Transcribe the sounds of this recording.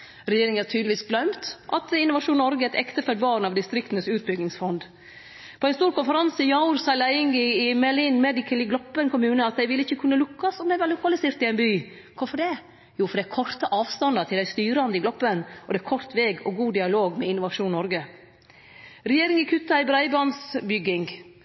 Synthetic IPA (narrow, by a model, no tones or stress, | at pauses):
ɾɛjeːɾɪŋætʰyːd̪ləʋiːsɡlœmt̪ʔɑt̪ɪnʊʋɑʂuːnːɔɾɡəæt̪ɛkt̪əfœd̪ʋɑːɾnɑʋd̪ɪst̪ɾɪkt̪nəsʉːt̪̚bʏɡnɪŋsfɔnd̪ | pʰɔɛɪnst̪uːɾkʊnfəɾɑnsɪjɑʊɾsɑlæɪɪŋɡɪɪmɛɭiːnmɛːd̪ɪkʰəlɪɡlɔpːənkʰʊmʉːnəɑt̪̚d̪æɪʋɪlːəɪçːəkʰʉnːəlʊkːɑsɔmd̪æɪʋɑɾlʊkɑlɪseːɾt̪ɪæɪnbyː | kʰɔfɔɖɛ | juːfɔɖ̪d̪ɛækʰɔrt̪əʔɑːʋst̪ɑnd̪ət̪ʰɪlæɪst̪yːɾəɑnd̪əɪɡlɔpːənʔɔd̪ɛækʰɔɾt̪ʋeːɡɔɡuːd̪ɪɑloːɡmɛɪnʊʋɑʂuːnnːɔɾɡə | ɾɛjeːɾɪŋɪkʰʉt̪ːɑɪbɾæɪbɑnsbʏɡːɪŋ